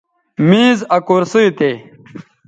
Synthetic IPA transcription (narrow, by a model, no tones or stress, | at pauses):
miːzɐkoːɾsujit̪e